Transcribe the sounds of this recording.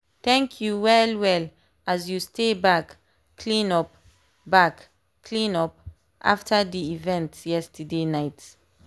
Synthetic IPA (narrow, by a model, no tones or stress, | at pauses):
t̪ɛ̃ŋkʰjuwɛlwɛl | ʔazjustebakːʰ | lĩnɔp̚ | bak | kʰlĩnɔp̚ | ʔa̰ftʰədiivɛ̃ntjɛstədenaɪt